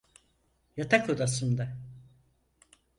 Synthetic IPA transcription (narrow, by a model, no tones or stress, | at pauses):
jat̪ʰakʰod̪asɯnd̪a